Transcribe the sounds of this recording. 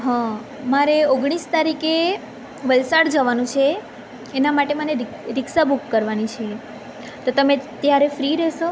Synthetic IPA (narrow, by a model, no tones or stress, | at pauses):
ɦã | maɾeoɡɽ̃ist̪aɾike | ʋəlsaɽd͡ʒəʋanũt͡ʃʰeː | namaʈeməneɾ | ɾɪksabukːəɾʋanit͡ʃʰe | t̪ot̪əmet̪jaɾefɾiɾɛʃo